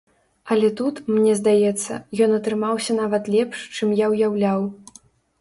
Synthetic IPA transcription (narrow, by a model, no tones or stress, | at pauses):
ɐlʲɛt̪ut̪mnʲɛzd̪ajɛt̪sːɐ̰jɔnɐt̪ɾɨmawsʲɐn̪avɐt̪lʲɛpʂt͡ʂɨmjawjawlʲaw